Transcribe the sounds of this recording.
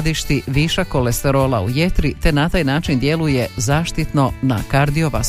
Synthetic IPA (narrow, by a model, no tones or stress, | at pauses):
d̪iʃt̪iʋiːʃakolest̪eɾo̞ːlˠaṵjet̪ɾit̪e̞nat̪aːjnaːt͡ʃind̪je̞lujezaːʃt̪it̪no̞nakaɾd̪ioʋa̰